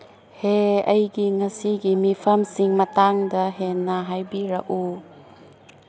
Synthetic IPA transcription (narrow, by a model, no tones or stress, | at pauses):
heɐjɡiŋɐsiɡimipʰɐmsiŋmɐtaŋdɐɦenːaɦajbiɾɐ̰ʔu